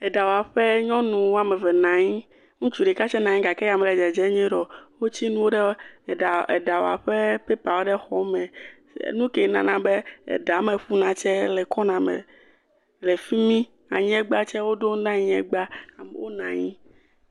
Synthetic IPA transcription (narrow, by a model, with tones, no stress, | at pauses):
ɛ˨da˨wa˨ɸɛ˦ɲɔ̃˦nũ˨wo˦a˦˨mɛ˨vɛ˨nã˨ɲĩ˦ | ŋũ˦t͡ʃu˨ɖɛ˨ka˦t͡ʃɛ˦nã˨ɲĩ˦ɡa˨kɛ˦ja˨mɛ˨lɛ˨d͡ʒɛ˨d͡ʒɛ˦ɲ˦ɛ̃˦ɖɔ˨wo˦t͡ɕi˦nũ˦wo˦ɖɛ˦˨a˨ɛ̰˨da˨wo˨a̰˨ɸɛ˦pe˦pa˨wo˦ɖɛ˦xɔ˦mɛ̃˨snũ˦kɛ˨˦nã̰˨nã˨be˦ɛ̰˨da˨˦mẽ˨ɸu˦nã˨t͡ʃɛ˦lɛ˨kɔ˦nã˨mɛ̰̃˨ | lɛ˨fi˦mĩ˦ | a̰˨ɲĩ˦ɛ˦ɡ͡ba˦t͡ʃɛ˦wo˦do˦ŋ˦nã˦ɲĩ˦ɛ˦ɡ͡ba˦a˨mḛ˨wo˦nã˨ɲĩ˦